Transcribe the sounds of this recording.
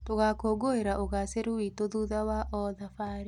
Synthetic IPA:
toɣakoɡoeɾaʔoɣaseɾuwitoðuðawaʔɔðafaːɾi

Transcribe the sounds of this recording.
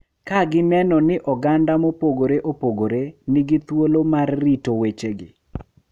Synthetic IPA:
kaɡɪnɛnɔnɪʔɔɡandamopoɡoɾeʔopoɡoɾenɪɡɪt̪wolomarːitowet͡ʃeɡɪ̰

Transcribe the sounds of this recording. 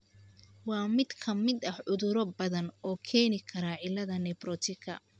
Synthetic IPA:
wɑːmɪd̪kʰɐmɪd̪ɐhʕʊðʊɾɔbɐðɐnɔːkʰɛːnɪkʰɐɾaʕɪlɐðɐnɛbrɔt̪ʰɪkʰɐ̰

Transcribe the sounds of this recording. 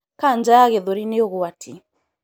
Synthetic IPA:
kand͡ʒaɣeðoɾineoɣowatʰi

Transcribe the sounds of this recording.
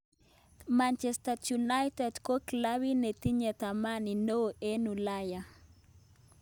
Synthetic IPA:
mant͡ʃɛst̪atjunajt̪ɛdkoklawinet̪iɲet̪amaninoʔenulaja

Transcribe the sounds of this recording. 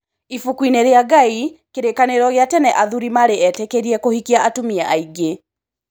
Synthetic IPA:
ifukwineɾeaɡaikeɾekaneɾɔɣeatɛnɛʔaðuɾimaɾeɛtɛkeɾiɛkohikiaatumiaʔaiɡe

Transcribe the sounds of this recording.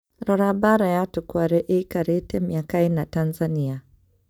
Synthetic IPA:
ɾaɾabaɾajatukuaɾɛʔekaɾetɛmiakainatanzania

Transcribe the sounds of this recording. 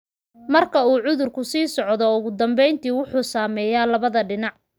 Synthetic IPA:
mɐrkʰɐuːʕʊðʊrkʰʊsiːsɔʕðɔʊɣʊd̪ɐmbɛjnt̪ʰiːwʊħuːsaːmɛːjaːlɐβɐðɐɖɪnɑʕ

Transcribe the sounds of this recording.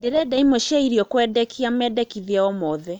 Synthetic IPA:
deɾɛdaimoʃaiɾiɔkwɛdɛkʰiamɛdɛkiðiaɔmɔðɛ

